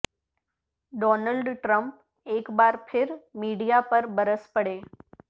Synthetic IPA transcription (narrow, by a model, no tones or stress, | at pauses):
ɖɔːnəlɖʈɾə̃mp | eːkbaːɾpʰɪɾmiːɽijapəɾbəɾəspəɽeː